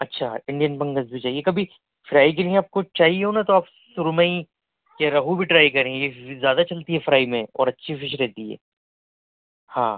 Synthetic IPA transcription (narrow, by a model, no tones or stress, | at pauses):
ɐtːʃʰaɪ̃ɳɖijənpɐ̃ŋɡəzbʱit͡ʃaːɦiekɐbʱi | fɾaːik̬eliẽaːp̚kot͡ʃaːɦieɦoːnat̪oaːp | sʊɾməĩ | keɾɐɦubʱiʈɾaːikɐɾẽezjaːd̪at͡ʃɐlt̪iɦɛfɾaːimẽɔ̰ːɾɐtːʃʰifɪʃ̬ɾɛɦt̪iɦɛ̰ː | hã̰ː